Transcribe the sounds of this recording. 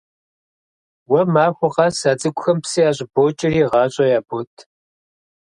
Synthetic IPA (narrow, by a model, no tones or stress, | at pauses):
wɐmaːxʷʊqɑsaːd͡zʼɨkʷʼʊxɐmpsijaːɕ̬ʼɪboːt͡ʃʼɪriːʁɑːɕʼɐjaːbotʰ